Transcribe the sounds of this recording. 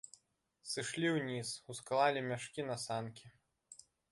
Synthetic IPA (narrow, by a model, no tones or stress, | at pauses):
sɨʂlʲiwnʲisusklˠalʲimʲaʂkʲinɐsankʲi